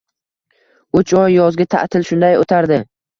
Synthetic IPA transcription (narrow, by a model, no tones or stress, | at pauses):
ʊt͡ʃɒjːɒzɡʲat̪ʰa̰ʔt̪ʰɪlʃʊnd̪ajot̪ʰaɾd̪ɪ